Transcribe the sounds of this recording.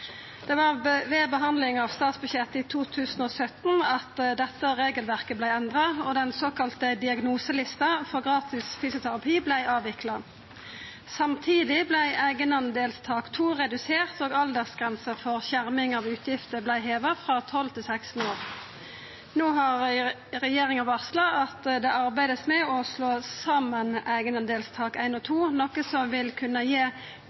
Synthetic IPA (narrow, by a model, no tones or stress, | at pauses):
d̪̥ɛʋɑʁʋeːbəɦɑnd̪lɪŋɑːʋst̪ɑːt̪sbʉçɛt̪ːit̪ʰuːt̪ʰʉːsnoːsœt̪nɑt̪d̪ɛt̪ːəʁeːɡəlʋæʁkəblæɪɛnd̪ʁɑɔd̪ɛnsoːkɑlt̪əd̪ɪɑɡnuːsəlɪst̪ɑfɔʁɡʁɑːt̪ɪsfyːsʊt̪ʰæʁɑpʰiːblæɪʔɑːʋɪklɑ | sɑmt̪ʰiːd̪ɪblæɪʔæɪɡənɑnəd̪eːlst̪ʰɑːkt̪ʰuːʁɛd̪ʉseːʁt̪oːɡɑld̪əʁsɡ̥ʁɛnsəfɔʁɕæʁmɪŋɑʋʉːt̪ʰjɪft̪əblæɪɦeːʋəʁfʁɑt̪ʰɔlt̪ʰɪlsæɪkst̪n̩oːʁ | noːɦɑʁ | ʁɛjeːʁɪŋɑʋɑʁslɑɑt̪d̪ɛʔɑʁbæɪd̪əsmɛɔsloːsɑmənæɪɡənɑnd̪eːlst̪ʰɑːkæɪnɔt̪ʰuːnɔkəsɔmʋɪlkʰʉnəjeː